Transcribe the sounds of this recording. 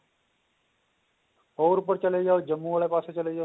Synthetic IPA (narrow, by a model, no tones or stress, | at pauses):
ɦoːɾpəɾt͡ʃəleːd͡ʒoːd͡ʒəmːũːʋəɭeːpaːseːt͡ʃəleːd͡ʒaː